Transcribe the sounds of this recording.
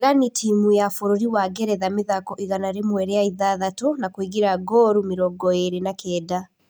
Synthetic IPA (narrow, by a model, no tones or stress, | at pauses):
anitʰimujafoɾoɾiwaɡɛɾɛðameðakɔʔiɣanaɾemwɛɾɛaiðaðatonakwiɣiɾaɡɔɾumeɾɔɡɔeɾenakɛːda